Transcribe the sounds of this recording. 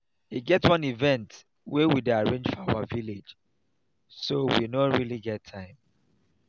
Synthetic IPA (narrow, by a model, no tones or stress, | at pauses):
iɡɛtwʌ̃nivɛ̃nt | wɛwideaɹẽnd͡ʒfɔawaviled͡ʒ | sowinɔɹiliɡɛtʰːãɪ̃m